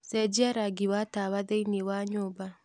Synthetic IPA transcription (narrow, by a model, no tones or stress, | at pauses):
sɛd͡ʒiaɾaɡiwataβaðɛinewaɲoba